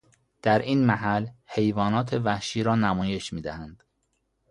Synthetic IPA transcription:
d̪̥æɾʔiːnmæɦælhe̞jvɒːnɒːt̪ʰe̞væhʃiːɾɒːnæmɒːje̞ʃmiːd̪æhænd̪̥

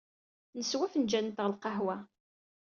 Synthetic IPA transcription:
nəswæfənd͡ʒænt̪əʁlqɑɦwæ

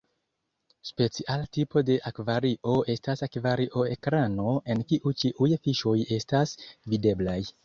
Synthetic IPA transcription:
spe̞t͡siʔaltipo̞de̞ʔakvaɾiʔo̞e̞stasakvaɾiʔo̞ekɾano̞e̞nkiʔut͡ʃiʔujfiʃo̞je̞stasvide̞blaj

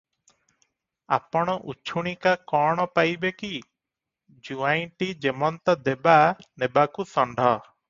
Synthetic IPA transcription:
a̰pɔɽ̃ɔʔut͡ʃʰuɽ̃ikakɔɽ̃ɔpajbeki | d͡ʒuajʈid͡ʒemɔnt̪ɔd̪ebanebakusɔɳɖʱɔ

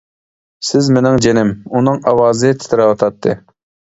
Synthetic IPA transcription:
sɪzmenɪŋd͡ʒenɪmunɨŋɑwɑːzɨt̪ʰɪ̥t̪ʰɪɾɛwɑt̪ʰɑt̪ːɨ

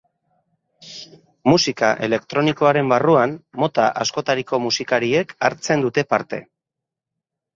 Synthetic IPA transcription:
musikaʔe̞̰le̞kt̪ɾo̞niko̞aɾe̞mbaruanːo̞t̪aʔasko̞t̪aɾiko̞musikaɾie̞kaɾt͡se̞nd̪ut̪e̞paɾt̪e̞̰

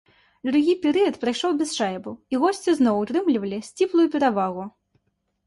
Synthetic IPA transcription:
d̪ɾuɣʲipʲɛɾɨjɐt̪pɾajʂɔwbʲɛsʂajbuiɣɔsʲt͡sʲiznɔwut̪ɾɨmlʲivɐlʲisʲt͡sʲiplˠujupʲɛɾavaɣu

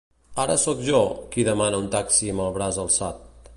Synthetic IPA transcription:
aɾə̰sɔkʒɔkiðəmanəunt̪aksiməlˠβɾazəlˠsat̪̚

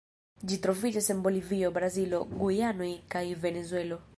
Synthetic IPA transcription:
d͡ʒit̪ɾovid͡ʒɔsɛmboliviobɾaziloɡujanoikaivenezwɛlo

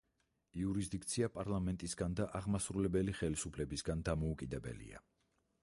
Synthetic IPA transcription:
iuɾizd̪ik̚t̪sʰiapʼaɾlˠamɛnt̪ʼisɡand̪aʔaʁmasɾulɛbɛliχɛlisupʰlɛbisɡand̪amɔukʼid̪ɛbɛ̰lḭa̰

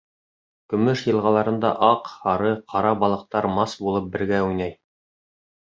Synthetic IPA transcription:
kɵ̆mɵʃjɤ̆lˠʁɑlˠɑɾɤ̆nd̪ɑ̰ʔɑqhɑɾɤqʰɑɾɑbɑlˠɤ̆q̚t̪ɑɾmɑsbulˠɤp̚bɘ̆ɾɡæujnæj

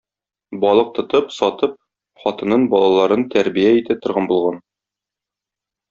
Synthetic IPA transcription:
bɒlˠɤq̚t̪ŏt̪ɤpsɒt̪ɤp̚ | χɒt̪ɤ̆nɤnbɒlˠɑlˠɑɾɤnt̪ʰæɾbijæit̪æt̪ŏɾʁɑnbulˠʁɑn

